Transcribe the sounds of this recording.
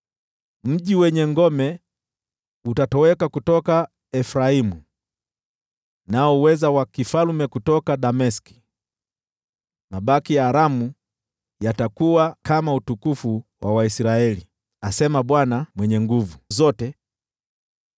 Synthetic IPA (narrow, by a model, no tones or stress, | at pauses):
m̩ʄiwɛɲɛŋɡɔmɛ | utatɔwɛkakutɔka | ɛfɾaimu | naɔwɛzawakifalumɛkutɔkaɗamɛski̥ | maɓakijaːɾamu | jatakuwakamautukufuwʔawaisɾaɛli | asɛmaɓwanamwɛɲɛŋɡuvuzɔtɛ